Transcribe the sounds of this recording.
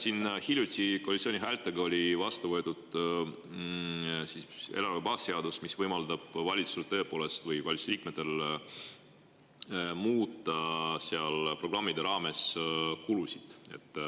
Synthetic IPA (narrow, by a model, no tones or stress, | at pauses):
sinhilʲjut̪ʲˑikolit̪sʲonʲiɦælt̪ːˑeɡɑo̞lʲivɑst̪uvɤet̪ud̪̥ | sie̞̰lɑɾvebɑːsːeɑd̪̥usmisvɤjmɑld̪̥ɑb̥vɑlʲit̪sust̪ːø̞ːpo̞ːle̞st̪vɯjvɑlʲit̪su̥sliːkmet̪ːel | muːt̪ːˑɑseɑlpro̞ɡ̥rɑmːid̪̥eɾɑːme̞skulusid̪̥e̞̰t̪ːˑ